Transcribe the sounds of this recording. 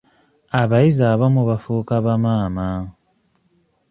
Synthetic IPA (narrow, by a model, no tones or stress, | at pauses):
aβaizaβamuβafuːkaβamaːma